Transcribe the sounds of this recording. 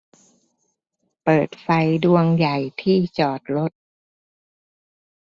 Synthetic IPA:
pɤː˨˩t̪̚fa˧jdu˧əŋja˨˩jt̪ʰiː˥˩t͡ɕɔː˨˩t̪̚ɾo˦˥t̪̚

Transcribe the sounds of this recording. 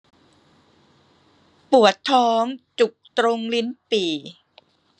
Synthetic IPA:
pu˨˩ət̪ʰːɔː˦˥ŋt͡ɕu˨˩k̚t̪ɾo˧ŋli˦˥npiː˨˩

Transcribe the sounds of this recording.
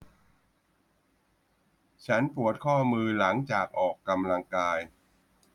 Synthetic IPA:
t͡ɕʰa˦˥npu˨˩ət̪̚kʰɔː˥˩mɯː˧la˩˦ŋt͡ɕaː˨˩k̚ʔɔː˨˩kːa˧mla˧ŋkaː˧j

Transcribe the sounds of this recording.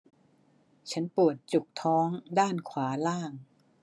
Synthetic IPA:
t͡ɕʰa˦˥npu˨˩ət̪̚t͡ɕu˨˩k̚t̪ʰɔː˦˥ŋdaː˥˩nkʰwaː˩˦laː˥˩ŋ

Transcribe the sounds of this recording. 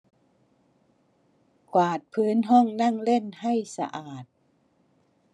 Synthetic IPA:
kwaː˨˩t̪̚pʰɯː˦˥nɦɔ˥˩ŋna˥˩ŋle˥˩˨nha˥˩jsa̰˧ʔaː˨˩t̪̚

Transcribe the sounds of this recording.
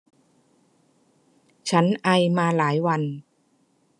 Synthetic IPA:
t͡ɕʰa˦˥nʔa˧jmaː˧laː˩˦jwa˧n

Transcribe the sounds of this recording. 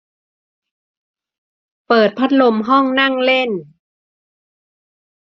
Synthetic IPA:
pɤː˨˩t̪̚pʰa˦˥t̪̚lo˧mɦɔ˥˩ŋna˥˩ŋle˥˩n

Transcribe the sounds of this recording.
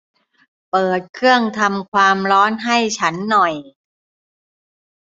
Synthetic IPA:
pɤː˨˩t̪̚kʰɯ˥˩əŋt̪ʰa˧mkʰwaː˧mɾɔː˦˥nɦa˥˩jt͡ɕʰa˦˥nːɔ˨˩j

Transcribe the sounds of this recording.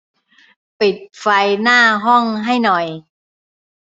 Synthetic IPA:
pi˨˩t̪̚fa˧jnaː˥˩ɦɔ˥˩ŋɦa˥˩jnɔ˨˩j

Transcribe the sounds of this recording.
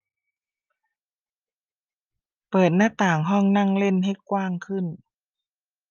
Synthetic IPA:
pɤː˨˩t̪̚na˧˥˩t̪aː˨˩ŋɦɔː˧˥˨ŋna˧˥˨ŋle˧˥˨nha˧˩jkwaː˧˩˨ŋkʰɯ˧˥˨n

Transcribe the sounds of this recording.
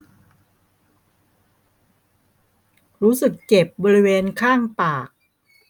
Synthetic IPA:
ɾuː˦˥sɯ˨˩kt͡ɕe˨˩p̚bɔː˧ɾi˦˥weː˧nkʰaː˥˩ŋpaː˨˩k̚

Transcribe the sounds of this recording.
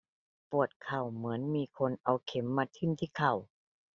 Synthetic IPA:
pu˨˩ət̪̚kʰa˨˩wmɯ˩˦ənmiː˧kʰo˧nʔa˧wkʰe˨˦mːa˧t̪ʰːi˧˥˨nt̪ʰiː˧˥˩kʰa˨˩w

